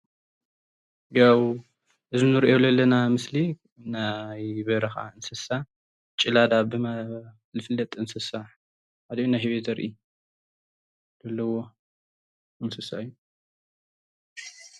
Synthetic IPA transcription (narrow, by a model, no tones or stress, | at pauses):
ɡaw | ʔɨzinɨɾiʔolɐlːɐnamɨsli | najβɐɾɐxa̰ɨnsɨsa | t͡ʃʼɪlad̪abɨma | lɨfɨlːɐt̪ʼɨnsɨsaħ | ad̪onajhiβet̪ɐɾʔi | lɐlːɐwo | ɨnsɨsa̰ɨjːu